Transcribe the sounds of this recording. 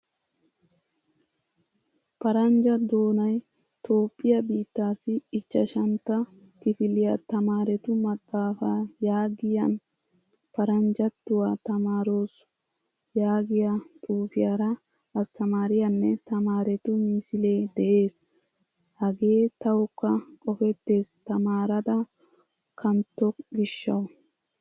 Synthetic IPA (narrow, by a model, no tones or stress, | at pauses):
pɐɾɐnd͡ʒɐd̪o̞ːnɐj | t̪o̞ːpʼːɪjɐbiːt̪ːaːsɪːt͡ʃːɐʃɐnt̪ːɐ | kɪfɪlɪjɐt̪ɐmaːɾɛt̪ʊmɐt̪ʼːaːfajaːɡɪjɐn | pɐɾɐnd͡ʒɐt̪ːʊwaːt̪ɐmaːɾo̞ːs | jaːɡɪjɐt̪ʼuːfɪjaːɾɐ | ɐst̪ɐmaːɾɪjɐnːɛt̪ɐmaːɾɛt̪ʊmiːsɪle̞ːd̪ɛʔe̞ːs | hɐɡe̞ːt̪ɐwɔkːɐkʼɔfɛt̪ːe̞ːst̪ɐmaːɾɐd̪ɐ | kʰɐnt̪ːɔɡɪʃːɐ̰w